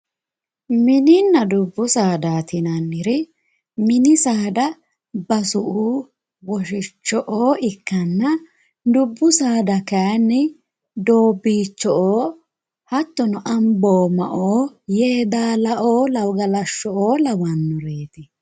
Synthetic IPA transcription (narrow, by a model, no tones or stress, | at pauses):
mɪnɪnːɐd̪ʊbːʊsaːd̪aːt̪ɪnɐnːɪɾɪ | mɪnɪsaːd̪ɐ | bɐsʊʔuː | wɔʃɪt͡ʃːɔʔoːɪkːɐnːɐ | d̪ʊbːʊsaːd̪ɐkɐjnːɪ | d̪o̞ːbːiːt͡ʃːɔʔoː | hɐt̪ːɔnɔʔɐmbo̞ːmɐʔoːjeːd̪aːlɐʔoːlɐwɡɐlɐʃːɔʔoːlɐwɐnːʊɾeːt̪ɪ